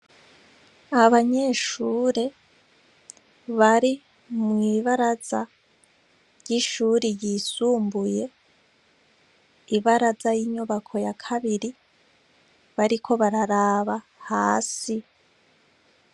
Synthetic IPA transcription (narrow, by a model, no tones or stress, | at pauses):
aβaɲe̞ʃuːɾe̞ | βaɾi | mŋiːβaɾaz̥a | jiʃuːɾijisuːmbuje̞ | iβaɾazajiɲuβakʰo̞jakʰaβiɾi | βaɾikʰo̞βaɾaɾaːβa | haːsi